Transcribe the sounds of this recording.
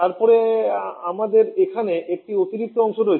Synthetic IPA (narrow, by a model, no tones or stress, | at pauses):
t̪aɾpɔɾeamad̪eɾekʰaneek̚ʈiot̪iɾik̚t̪oɔŋʃoɾoet͡ɕʰ